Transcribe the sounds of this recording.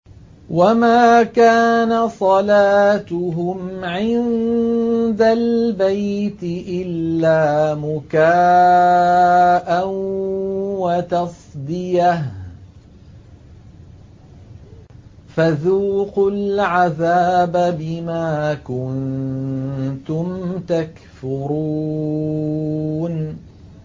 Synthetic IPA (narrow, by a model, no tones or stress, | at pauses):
wamaːkaːnasˤɑlaːt̪ʊɦʊmʕɪn | d̪albajt̪ɪʔɪlːaːmʊkaː | ʔan | wat̪ɑsˤd̪ɪjah | faðuːqʊlʕaðaːbabɪmaːkʊn | t̪ʊmt̪ak | fʊɾuː | n